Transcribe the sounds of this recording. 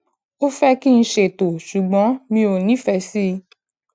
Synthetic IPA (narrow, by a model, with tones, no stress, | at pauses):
o˦fɛ˦ki˦˧ñ̩˧ʃe˧˨to˨ʃu˨ɡ͡bɔ̃˨˦mĩ˧o˨nĩ˨˦fɛ˧si˦˧